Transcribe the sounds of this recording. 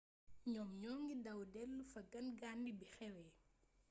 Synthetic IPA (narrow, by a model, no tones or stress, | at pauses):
ɲɔmɲɔːŋɡidawdɛlːufɐɡɐnɡaːndibixɛwɛː